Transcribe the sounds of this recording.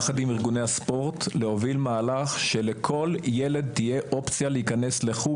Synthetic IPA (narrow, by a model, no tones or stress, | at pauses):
χadimiʁɡunejhaspo̞ʁtleo̞vilmaːlaχʃe̞lekʰo̞lje̞led̪̚tije̞ʔo̞pt͡sjalehikɐne̞sle̞χu